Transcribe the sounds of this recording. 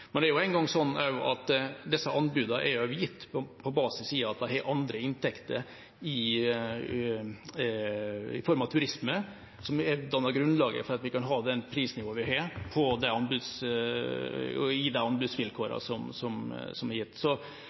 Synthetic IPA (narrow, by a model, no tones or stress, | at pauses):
mɛnd̪ɛæɾjʊæɪnɡɑŋːsɔnːɛɾjʊʔɑt̪d̪ɛsːəʔɑnbʉːd̪ɑʔɛɾjʊʊjɪt̪ːpʰɔbɑːsɪsiːɑt̪̚d̪ɛhɛɾʔɑnd̪ɾəɪnt̪ʰɛkt̪əɾ | ɪ | ɪ̰fɔɾmɑt̪ʰʉɾɪsmə | sɔmɛd̪ɑnːɑɾɡɾʉnlɑːɡə̰fɔɾɑt̪ʋɪkɑnɦɑːd̪ɛnpʰɾiːsnɪʋoːnʋɪɦɑɾpʰɔd̪ɛɑnbʉd̪s | ɪd̪ɛɑnbʉd̪sʋɪlkʰoːɾɑ̰sɔmsɔmsɔmɛɾjɪt̪ːsɔ